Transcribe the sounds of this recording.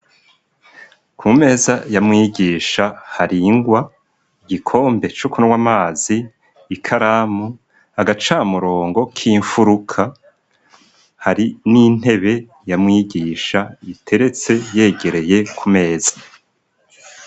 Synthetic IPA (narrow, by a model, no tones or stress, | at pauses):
kʰume̞ːzajamŋiːɟiːʃahaɾiːŋɡwa | iɡikʰo̞ːmbe̞t͡ʃokunuwamaːziː | kʰaɾaːmu | aɡat͡ʃaːmuɾo̞ːŋɡo̞kʰiːɱfuɾukʰa | haɾinin̥he̞βe̞ | jamŋiɟiːʃaitʰe̞ɾe̞t͡se̞je̞ːɡe̞ɾe̞je̞kʰume̞ːz̥ḁ